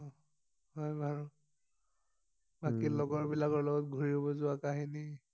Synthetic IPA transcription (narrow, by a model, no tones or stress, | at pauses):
ɦɔjbʱaɹu | bakilɔɡɔɹbilakɔɹlɔɡɔt̚ɡʱuɹiɔbɔzʊakaɦini